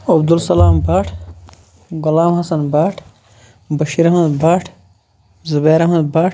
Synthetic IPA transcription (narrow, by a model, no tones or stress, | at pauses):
ɐbd̪ulsɐlaːmbaːʈʰ | ɡʊlaːmhɐsɐnbaːʈʰ | bɐʃiɾɐhmɐd̪baːʈʰ | zubeːɾɐɦmɐd̪̚baːʈ